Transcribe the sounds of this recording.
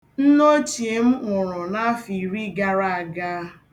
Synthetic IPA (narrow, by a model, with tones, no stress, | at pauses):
n̩˦no˦t͡ʃi˨e˨m̩˦ŋʷʊ˨ɾɔ˨na˦a˦fi˨ɾi˦ɡa˦ɾa˦a˨ɡa˦